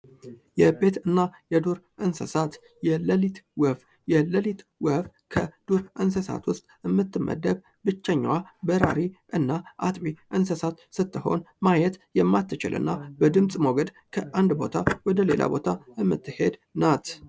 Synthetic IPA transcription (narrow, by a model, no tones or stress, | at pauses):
jɛbe̞t̪ɨnːajɛd̪uɾʔɨnsə̰sat̪ | jɛləlit̪wəf | jɛləlit̪wəf | kʰəd̪̥uɾɨnsəsa̰t̪wʊst̪ʼɨmːɨt̪ːɨmːə̰d̪ːəb | bɨt͡ʃːəɲːwabəɾa̰ɾiʔɨnːaʔat̪ʼwiʔɨnsəsat̪sɨt̪ːɨho̞̰nmajɛt̪jɛmːat̪ʰːɨt͡ʃɪ̰lʔɨ̰nːabəd̪ɨmsʼmoɡəd̪ | kʰəʔand̪bo̞̰t̪ʰawɔd̪əle̞̰la̰bo̞t̪ʰaɨmːɨ̰t̪ːɨhe̞d̪nat̪